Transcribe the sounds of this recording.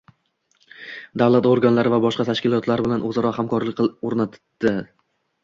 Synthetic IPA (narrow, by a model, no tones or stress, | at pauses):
d̪avlˠat̪oɾɡanlaɾɪvabɒʃqɑt̪ʰaʃkʲɪlˠɒt̪laɾbɪlanʔɵzaɾɒhamkʰɒɾlɪk̚ʲoɾnat̪d̪̥ɪ